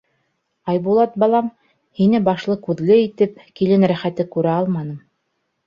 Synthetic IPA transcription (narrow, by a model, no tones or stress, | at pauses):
ɑjbulˠɑt̪̚bɑlˠɑm | hinɘbɑʃlˠɤkʉðlɘit̪ɘp̚kilɘnɾæχæt̪ɘkʉɾæɑlˠmɑnɤm